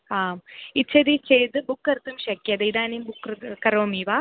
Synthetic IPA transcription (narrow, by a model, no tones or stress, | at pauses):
haːmit͡ʃʰːɐd̪it͡ʃejt̪ɨbukːɐɾt̪ːumʃɐkːjɐd̪ed̪aːnembukːkɐɾoːmiːʋa